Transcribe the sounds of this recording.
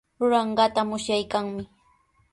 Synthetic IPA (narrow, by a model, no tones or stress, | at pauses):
ɾʊɾɑɴɢɑt̪amʊsjajkaŋmɪ